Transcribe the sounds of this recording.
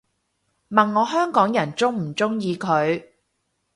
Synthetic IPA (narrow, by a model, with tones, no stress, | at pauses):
mɐ˨nŋɔː˨˧ɦœː˥ŋkɔː˨˥ŋjɐ˨˩nt͡sʊ˥ŋm̩˨˩t͡sʊ˥ŋjiː˨˧kʰɵ˨˧ɥ